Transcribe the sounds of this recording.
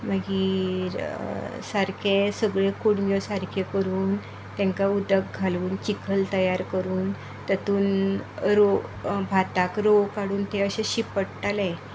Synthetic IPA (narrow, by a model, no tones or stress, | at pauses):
məɡiɾsaɾkʰesəɡɭekuɽɡɔsaɾkʰekəɾuːn | t̪ɛ̃ŋkaud̪əɡ̚ɡʱaluːnt͡ɕikʰəlt̪əjaɾkəɾuːn | t̪ət̪uːnɾobʱat̪akɾokaɽuːnt̪eəɕeɕipəɽt̪alẽ